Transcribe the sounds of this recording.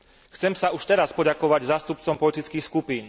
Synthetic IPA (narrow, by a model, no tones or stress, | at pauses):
xt͡sɛmsauʃt̪ɛɾaspɔɟakɔʋaɟzaːst̪up̚t͡sɔmpɔlit̪it͡skiːxskupiːn